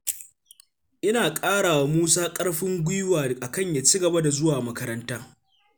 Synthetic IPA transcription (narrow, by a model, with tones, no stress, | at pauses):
ʔɪ˦naː˨kʼaː˦ɽaː˨wa˨muː˦saː˦kʼɐ˦ɽɸɪ˦ŋɡʷɪ˦waː˨ʔa˨kɐ˦˨ɲjaː˨t͡ʃiː˦ɡɐ˨ba˦da˨zʊ˦waː˨mɐ˦kɐ˦ɾɐ˦ntaː˦